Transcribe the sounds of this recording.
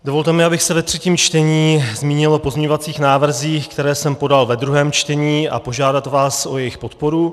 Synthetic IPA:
do̞vo̞lt̪ɛmɪabɪxsɛvɛt̪r̝̥ɛciːmt͡ʃt̪ɛɲiːzmiːɲɪlʔo̞po̞zmɲɛɲovat͡siːxnaːvr̩ziːxkt̪ɛɾɛːsɛmpo̞dalvɛd̪ɾuɦɛːmt͡ʃt̪ɛɲiːa̰po̞ʒaːdat̪vaːsʔo̞jɛjɪxpo̞t̪po̞ɾu

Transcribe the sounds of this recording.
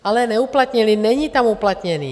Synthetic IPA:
alɛnɛuplat̪ɲiliːɲɛɲiːt̪amuplat̪ɲɛnḭː

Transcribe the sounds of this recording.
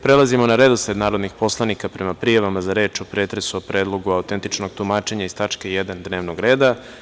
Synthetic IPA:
pɾelˠazimonaɾe̞d̪osed̪naːɾod̪nixpo̞slˠanikapɾe̞mapɾijaʋamazaɾe̞ːt͡ʃopɾeːt̪ɾesuopɾʔeːd̪lˠo̞ɡuaut̪e̞nt̪it͡ʃnoɡt̪umaːt͡ʃe̞ɲaist̪at͡ʃke̞jed̪and̪ne̞ːʋnoɡɾe̞ːd̪a

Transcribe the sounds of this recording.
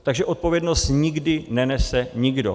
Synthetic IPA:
t̪aɡʒɛʔo̞t̪̚po̞vjɛdno̞st̪ɲɪɡdɪnɛnɛsɛɲɪɡdo̰

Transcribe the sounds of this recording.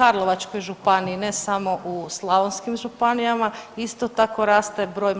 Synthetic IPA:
aɾlˠoʋat͡ʃko̞jʒupaniinesamo̞ʔuslˠaʋonskimʒupanijamaist̪ot̪ako̞ɾaːst̪e̞bɾo̞ːj

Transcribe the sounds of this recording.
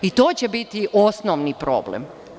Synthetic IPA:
it̪oːt͡ɕebit̪iʔosnoʋnipɾo̰ːblḛm

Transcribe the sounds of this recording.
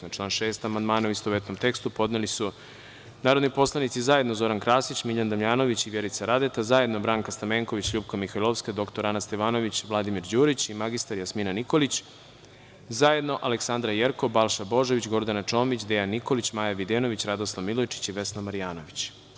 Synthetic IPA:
at͡ʃlˠaːnʃe̞ːst̪amand̪maːnoist̪oʋet̪no̞mt̪e̞kst̪upo̞d̪nelisu | naːɾod̪nipo̞slˠanit̪sizaje̞d̪nozo̞ɾankɾaːsit͡ɕmiʎand̪amʎaːno̞ʋit͡ɕiʋjeɾit̪saɾad̪et̪azaje̞d̪no̞bɾaːŋkast̪ameːŋko̞ʋit͡ɕʎuːp̚kamixajlˠoʋsked̪o̞kt̪oɾanast̪eʋaːno̞ʋit͡ɕʋlˠad̪imiɾd͡ʑuːɾit͡ɕimaɡist̪aɾjasminaniko̞lit͡ɕ | zaje̞d̪no̞ʔaleksand̪ɾajeɾko̞balˠʃabo̞ʒoʋit͡ɕɡo̞ɾd̪anat͡ʃo̞ːmit͡ɕd̪ejanːiko̞lit͡ɕmaːjaʋid̪eno̞ʋit͡ɕɾad̪oslˠaʋmilˠojt͡ʃi̥t͡ɕiʋe̞snamaɾijaːnoʋit͡ɕ

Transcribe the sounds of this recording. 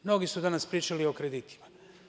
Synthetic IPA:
mno̞ɡisud̪anaspɾiːt͡ʃalio̞kɾed̪it̪ʰi̥ma

